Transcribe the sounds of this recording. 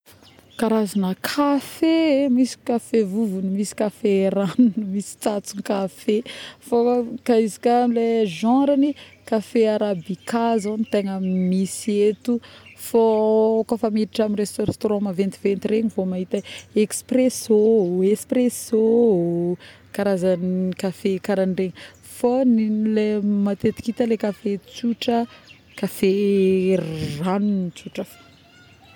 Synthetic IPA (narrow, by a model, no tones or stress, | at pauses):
kaɾazanəkʰafemisi̥kafevuvunimisi̥kafeɾanunimisi̥t͡sat͡suŋkafefokaizi̥kaleʒãɾanikafeaɾabikazonit̪eŋamisiet̪ufokofamiɾiʈ͡ʂamirest̪oɾst̪oɾɔ̃mavent̪ivent̪ireɲivomaɦit̪əekspresoespreso | kaɾazanikafekaɾanreɲ | fonlemat̪et̪i̥kit̪alekafet͡suʈ͡ʂə | kafe | ranunit͡suʈ͡ʂafo̥